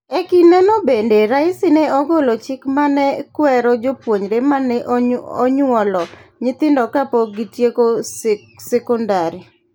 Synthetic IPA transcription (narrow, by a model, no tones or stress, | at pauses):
ɛkinɔnobendeɾaɪsɪneɔɡolot͡ʃɪkmanɛkwɛɾɔd͡ʒopwoɲɾemanɛʔɔɲwɔlɔɲɪt̪ɪndɔkapɔɡitjeko | sɛkɔndaɾi